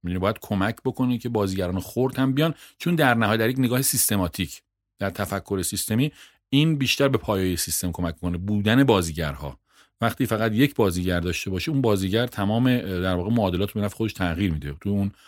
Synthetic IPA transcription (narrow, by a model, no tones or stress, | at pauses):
mid̪unibːjæd̪̥̚kʰo̞mæcʰbo̞kʰo̞necʰe̞bɒːziːɟæɾɒːnexoɾd̪hæmbijɒnt͡ʃʰond̪æɾnæhɒːjed̪æɾjecneɡɒːhesist̪e̞mɒːt̪ʰicʰ | d̪̥æɾt̪ʰæfækʰːo̞ɾe̞sist̪e̞miː | inbiːʃt̪æɾbe̞pʰɒːjːjesist̪e̞mkʰo̞mæcbokʰonebuːd̪æne̞bɒːziːɟæɾhɒ̰ː | væχt̪iːfæɣæd̪je̞cʰbɒːziːɟæɾd̪ɒːʃt̪e̞bɒːʃiunbɒːziːɟæɾt̪ʰæmɒːme̞d̪æɾvɒːɣemoːd̪e̞lɒːt̪ʰbeæfexod̪eʃt̪ʰæɣiːɾmiːd̪et̪ʰujeun